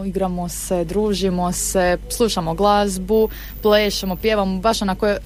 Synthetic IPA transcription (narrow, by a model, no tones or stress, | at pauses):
iɡɾamosed̪ɾuːʒimoseslˠuʃamoɡlˠazbu | pleːʃemopjeːʋamobaʃonakoje